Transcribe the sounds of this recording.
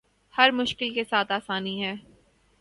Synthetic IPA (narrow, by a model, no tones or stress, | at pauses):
hɐɾmʊʃkɪlkesaːt̪aːsaːniɦɛː